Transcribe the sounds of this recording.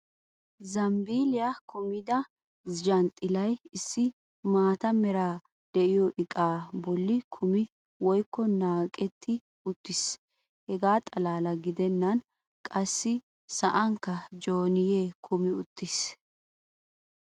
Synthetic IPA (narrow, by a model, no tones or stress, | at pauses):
zɐmbiːlɪjakʰʊmɪd̪ɐ | d͡ʒɐnt̪ʼɪlɐjɪsːɪ | maːt̪ɐmɛɾaː | d̪̥ɛʔɪjɔʔɪkʼaːbɔlːɪkʰʊmɪ | wɔjkːɔnaːkʼɛt̪ːɪ | ʊt̪ːɪs | hɛɡaːt̪ʼɐlaːlɐɡɪd̪ɛnːɐn | kʼɐsːɪ | sɐʔɐŋkːɐd͡ʒoːnɪjeːkʰʊmɪʊt̪ːɪs